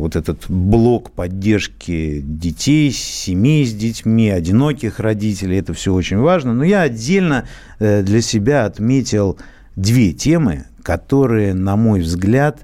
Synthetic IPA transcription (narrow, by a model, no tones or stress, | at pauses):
vo̞t̪ɛt̪ət̪blˠo̞kpɐdʲːerʂkʲɪdʲɪtʲejsʲɪmʲijzʲdʲɪtʲmʲiɐdʲɪno̞kʲɪxrɐdʲitʲɪlʲɪjɛt̪əfsʲɵot͡ɕɪnʲvaʐnənojaɐdʲːelʲnə | d̪lʲəsʲɪbʲaɐt̪mʲetʲɪlˠ | d̪vʲe̞tʲe̞mɨ̰ | kɐt̪o̞ɾɨjənɐmo̞jvzɡlʲat̪